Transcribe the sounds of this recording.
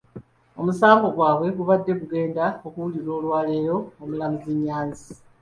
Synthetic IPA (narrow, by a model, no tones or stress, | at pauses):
o̞musaːŋɡo̞ɡwaːβwe̞ɡuβadːe̞βuɡe̞ːndaokuuliɾo̞ːlwaːle̞ːɾo̞ːmulamuziɲːaːnzi̥